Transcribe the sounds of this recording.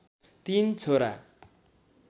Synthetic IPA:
t̪int͡sʰoɾa̰

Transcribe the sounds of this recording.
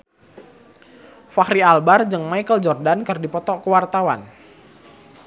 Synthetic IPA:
fahɾialbard͡ʒəŋmaikəld͡ʒɔrdankərdipɔt̪ɔkəwart̪awa̰n

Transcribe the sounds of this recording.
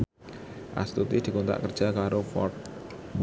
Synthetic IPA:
ʔa̰st̪ut̪id̪̥i̤kont̪a̰ʔkərd͡ʒ̥akaɾofɔ̰t̪̚

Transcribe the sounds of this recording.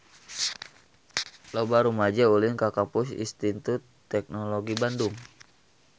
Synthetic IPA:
lobaɾumad͡ʒaulɪnkakapʊsḭnst̪it̪ut̪ː | ɛk̚noloɡibandʊŋ

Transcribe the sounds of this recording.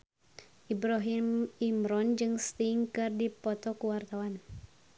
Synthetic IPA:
ʔibɾɔɦimimɾɔnd͡ʒɨŋst̪iŋkɨrdipɔt̪ɔkuwart̪awan

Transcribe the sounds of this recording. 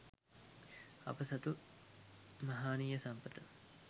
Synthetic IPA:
ɐ̰pəsɐt̪u | mɐɦaːnijəsɐmpət̪ə

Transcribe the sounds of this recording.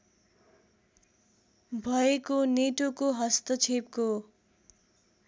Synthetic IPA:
bʱʌekoneʈokoɦʌst̪ʌt͡sʰepko

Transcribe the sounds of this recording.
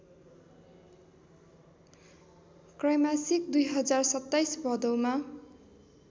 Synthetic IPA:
krʌjmasik̚d̪ujɦʌd͡zarsʌt̪ːajsbʱʌd̪ʌwma

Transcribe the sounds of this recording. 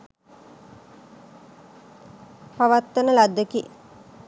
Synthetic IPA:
paʋat̪ːənəlad̪əki

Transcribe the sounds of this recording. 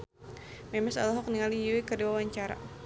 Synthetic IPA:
mɛmɛsa̰lɦɔk̚niŋalijuwikərdiwawaɲt͡ʃaɾa̰

